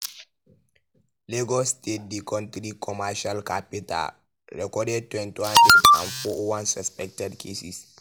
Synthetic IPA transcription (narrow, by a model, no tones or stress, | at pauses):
lɛɡɔstet̚dikɔ̃ntɾikʰɔmaʃalkapita̰l | ɾɛkɔdɛd̚tːwɛ̃ntiwãnedã̰nfɔʔwãnsɛspɛk̚tɛdkʰesḭs